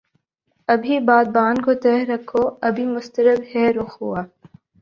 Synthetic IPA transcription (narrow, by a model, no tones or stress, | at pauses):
ɐbʱibaːd̪̚baːnkot̪ɛːɦɾɐkʰːoːɐbʱimʊst̪əɾəbhɛːɾʊxɦʊaː